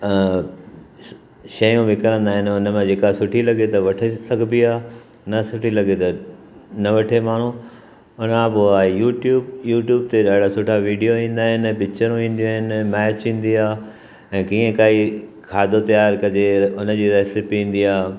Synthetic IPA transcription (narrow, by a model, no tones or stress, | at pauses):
ʃɐjũʋɪkɐɾə̃nd̪aːɦɪnʊnə̆mãd͡ʑeːkasʊʈʰilɐɡet̪ɐʋɐʈʰesɐɡʱbiaː | nɐsʊʈʰilɐɡet̪ɐ | nɐʋɐʈʰemaːɳ̤ũ | ʊnãboaːejuːʈjuːbjuːʈjuːb̚t̪eɗaːɦɪɽasʊʈʰaʋiːɖijoʋĩːn̆d̪aːɦɪnɪ̆pɪkt͡ɕəɾũĩːn̆d̪iũaːɦɪnɪ̆mɛːt͡ɕĩːn̆d̪iaː | ɛ̃ːkiːə̃kaːikʰaːd̪ʱot̪ɐjaːɾkɐɾd͡ʑeʊnəd͡ʑiːɾɛːsɪpːĩːn̆d̪iaː